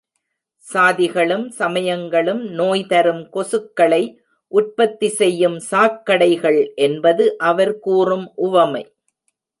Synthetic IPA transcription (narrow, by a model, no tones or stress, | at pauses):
saːðɪɣɐɭɯmsɐmɐjɐŋɡɐɭɯmnoːjt̪ɐɾɯmkɔsɯkːɐɭɐɪ | ʔʊʈ̚pɐt̪ːisɛjːɯmsaːkːɐɽɐɪɣɐɭʔɛnbɐðɯʔɐʋɐɾkuːrɯmʔʊʋɐmɐɪ